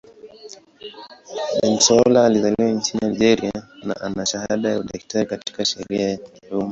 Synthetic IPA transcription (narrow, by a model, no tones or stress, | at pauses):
ɓɛnsɔlaːlizaliwaiɲt͡ʃiniaiʄɛɾiana̰ʔanaʃahaɗajauɗɛki̥taɾikati̥kaʃɛɾiajakiluma